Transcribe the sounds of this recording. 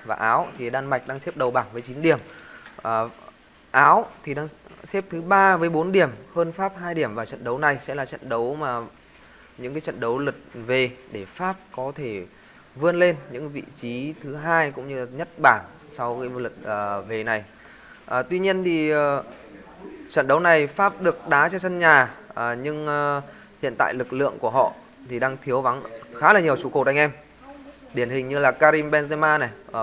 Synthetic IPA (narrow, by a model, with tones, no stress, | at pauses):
vaː˨˩ʔaː˨˦wt̪ʰi˨˩ɗaː˧nma˨˩jk̚ɗaː˧ŋsɛ˦˥p̚ɗə˨˩wɓaː˧˩nvəː˨˦jt͡ɕi˨˦nɗi˧˩əmʔː | ʔaː˨˦wt̪ʰi˨˩ɗaː˧ŋsɛ˦˥p̚t̪ʰɨ˨˦ɓaː˧vəː˨˦jɓo˨˦nɗi˧˩əmhəː˧nfaː˦˥p̚ɦaː˧jɗi˧˩əmvaː˨˩t͡ɕə̰˧˨nɗə˨˦wna˨˩jsɛ̰˧˥laː˨˩t͡ɕə̰˧˨nɗə˨˦wmaː˨˩ | ɲɨ̰˧˥ŋkaː˨˦jt͡ɕə̰˧˨nɗə˨˦wlə˨˩t̚ve˨˩ɗe˧˩faː˦˥p̚kɔ˨˦t̪ʰe˧˩ | vɨ˧ənle˧nɲɨ̰˧˥ŋvḭ˧˨t͡ɕi˨˦t̪ʰɨ˨˦ɦaː˧jkʊ̰˧˥ŋ͡mɲɨ˧˨˩ɲə˦˥t̚ɓaː˧˩n | sa˧wkaː˨˦lə˨˩t̚ːve˨˩na˨˩j | ʔəː˨˩t̪wi˧ɲi˧ənt̪ʰi˨˩ʔəː˨˩ | t͡ɕə̰˧˨nɗə˨˦wna˨˩jfaː˦˥p̚ɗɨ˨˩ək̚ɗaː˨˦t͡ɕɔ˧sə˧nɲaː˨˩˨ɲɨ˧ŋ˨ | hḭ˧˨ənt̪a̰ː˧˨jlɨ˨˩k̚lɨ̰˧˨əŋku˧˩əɦhɔ̰˧˨ | t̪ʰi˨˩ɗaː˧ŋt̪ʰi˨˦əwva˨˦nxaː˨˦laː˨˩ɲi˨˩əwt͡ɕu˨˧˦kə˨˩ɗa˧ŋ̟ʔɛ˧m | ɗi˧˩ənhï˨˩ŋ̟ɲɨ˧laː˨˩kaː˧ɾi˧mɓɛ˧nzɛ˧maː˧na˨˩j